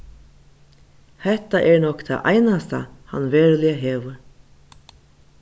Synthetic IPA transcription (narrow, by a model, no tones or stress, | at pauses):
hɛht̪aʔɛɹnɔkt̪ʰa̰ʔa̰jnast̪a̰ha̰nveːɹlɪaɦeːʋʏɾ